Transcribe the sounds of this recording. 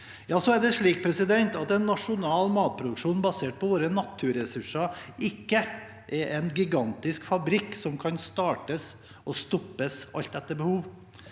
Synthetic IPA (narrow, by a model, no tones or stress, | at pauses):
jɑːsɔæɖɛʂɭiːk̚pʰɾɛsɪd̪ɛnt̪ɑt̪ɛnːɑʂʊnɑːlmɑːt̪̚pʰɾʊd̪ʉkʂuːnbɑseːʈ̚pʰɔʋoːɾənɑt̪ʰːʉɾɛsʉʂɑɪkːə | ʔɛɾʔɛnɡɪɡɑnt̪ɪskfɑbɾɪkːsɔmkʰɑnst̪ɑːʈəs | ʔɔst̪ɔpːəsɑ̰lt̪d̪ɛt̪ːəbəhuːʋ